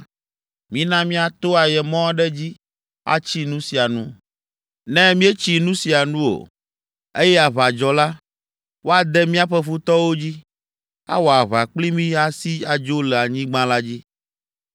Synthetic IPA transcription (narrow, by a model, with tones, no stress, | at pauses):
mĩ˦nã˦mĩ˦a˨t̪o˦a˨jɛ˨mɔ̃˦ɖɛ˦d͡ʑi˦ | a̰˦t͡ɕi˦nũ˦si˨a˨nṵ̃˦ | nɛ̃˦mĩ˦e˦t͡ɕi˨nũ˦si˨a˨nũ˦o̰˨ | e˦jɛ˦a˨βa˨d͡ʒɔ˨la˦ | wo˦a˨d̪ɛ˦mĩ˦a˦ɸɛ˦ɸu˦t̪ɔ˦wo˦d͡ʑi˦ | a̰˦wɔ˨a˨βa˨k͡pli˦mĩ˦a˨si˦a˨d͡ʒo˦lɛ˨a˨ɲĩ˦ɡ͡bã˦la˦d͡ʑi˦